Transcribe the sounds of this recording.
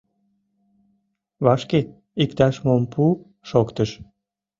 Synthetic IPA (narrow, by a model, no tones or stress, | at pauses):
βɑʃke | ikt̪ɑʃmompʰu | ʃokt̪əʃ